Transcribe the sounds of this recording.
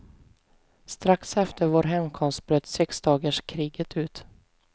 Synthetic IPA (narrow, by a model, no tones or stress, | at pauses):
st̪ɾaksɛft̪əɾvoːɾɦɛmkʰɔmst̪̚b̥ɾøːt̪sɛksd̪ɑːɡəʂkʰɾiːɡət̪ʰʉ̟ːt̪